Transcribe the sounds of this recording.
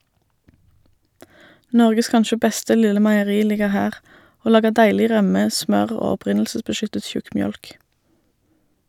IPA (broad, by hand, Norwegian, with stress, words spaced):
ˈnɔʁɡəs ˈkɑnʃə ˈbɛstə ˈlɪlə mæɪəˈʁiː ˈlɪɡəʁ ˈhæːʁ ˈoː ˈlɑːɡəʁ ˈdæɪlɪ ˈʁœmə ˈsmœʁ ˈoː ɔˈpʁɪnl̩səsbəˌʃʏtət ˈʃʉkmˌjœlk